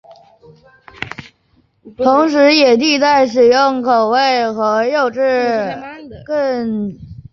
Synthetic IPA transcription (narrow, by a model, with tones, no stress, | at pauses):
t̪ʰʊ˧˥ŋʂ̬ɻ̩˧˥jɛ˨˩t̪i˥˧t͡sa˥˩ɪʂ̬ɻ̩˨˩jʊ˥˩ŋkʰo˨˩ʊwe˥˩ɪxɤ˧˥jo˥˩ʊʈ͡ʂɻ̩˥˧ | kə˥˧ŋ